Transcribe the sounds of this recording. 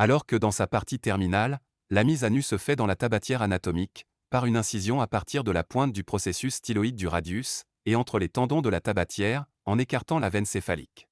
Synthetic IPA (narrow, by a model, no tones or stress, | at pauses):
alɔʁkəd̪ɑ̃sapaʁt̪it̪ɛʁminalː | amizanysəfɛd̪ɑ̃lat̪abat̪jɛʁanat̪ɔmik | paʁynɛ̃sizjɔ̃apaʁt̪ʰiʁd̪əlapwɛ̃t̪̚d̪ypχɔsesysːt̪ilɔid̪̚ːyʁad̪jys | eɑ̃t̪χəlet̪ɑ̃d̪ɔ̃d̪əlat̪abat̪jɛʁ | ɑ̃nekaʁt̪ɑ̃lavɛnsefalḭk